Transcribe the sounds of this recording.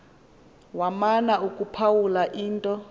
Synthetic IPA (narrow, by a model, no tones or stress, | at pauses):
wamanaukʼupʰawulaʔiːntʼɔ